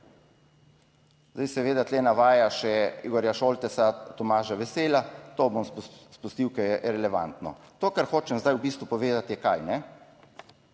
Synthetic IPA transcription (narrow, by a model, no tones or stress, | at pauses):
zd̪ajsɛʋeːd̪at̪leːnaʋaːjaʃɛiɡɔːɾjaʃoːlt̪ɛsat̪ɔmaːʒaʋɛseːlat̪oːbomsspust̪iwkɛjɛʔɾɛlɛʋa̰nt̪nɔ̰t̪oːkaɾxoːt͡ʃɛmzd̪ajwbiːst̪ʋupɔʋeːd̪at̪jɛkajnɛ